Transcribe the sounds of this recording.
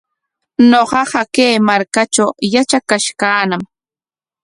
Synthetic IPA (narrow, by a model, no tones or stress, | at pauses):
noɢɑɢɑkejmaɾkat͡ʃawjat͡ʃakaʃkaːnam